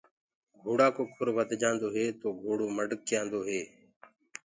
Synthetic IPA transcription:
ɡʱuːɽaːkoːkʰʊɾʋəd̪ʱd͡ʒãːnd̪oːɦeːt̪oːɡʱoːɽoːməɖk̚t͡ʃɪjãːnd̪oːɦeː

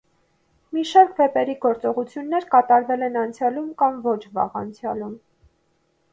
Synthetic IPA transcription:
miʃɑɾkvɛpɛɾiɡɔɾt͡sɔʁut͡sʰjunːɛɾkɑt̪ɑɾvɛlɛnɑnt͡sʰjɑlumkɑmvɔt͡ʃʰvɑ̰ʁɑ̰nt͡sʰjɑlum

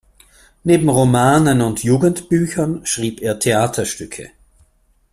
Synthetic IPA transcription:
neːbm̩ʁomaːnənʊntjuːɡn̩tb̥yːçɐnʃʁ̥iːpeːɐtʰeaːtʰɐʃtʏkʰə̰

